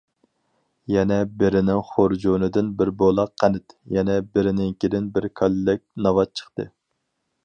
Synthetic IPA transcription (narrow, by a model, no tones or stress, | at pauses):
jɛnɛbɪɾɪnɪŋχoɾd͡ʒonɨd̪ɪnbɪɾbolˠɑqʰːænɪt̪jɛnɛbɪɾɪnɪŋkʲid̪ɪnbɪɾkʰɑllɪk̚ʲnɑvɑt̪̚t͡ʃʰə̥χt̪ɨ̰